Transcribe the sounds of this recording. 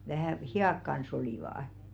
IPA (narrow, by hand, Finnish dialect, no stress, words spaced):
ʋæhæˑ hiɑˑk kɑns oliˑʋɑˑɑ̆